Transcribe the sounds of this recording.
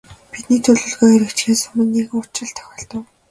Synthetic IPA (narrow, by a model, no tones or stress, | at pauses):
pit̪̚niːt̪ʰɵɮɵ̆ɮɣoːœɾʲĭkt͡ɕxeːsɵmə̆nːiːkʊt͡ɕɪ̆ɮt̪ʰœ̥xʲɔːɬt̪ə̆w